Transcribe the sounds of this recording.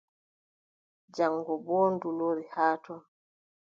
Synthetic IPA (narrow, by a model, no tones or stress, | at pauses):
d͡ʒaŋɡɔbɔːndulɔɾihaːtɔ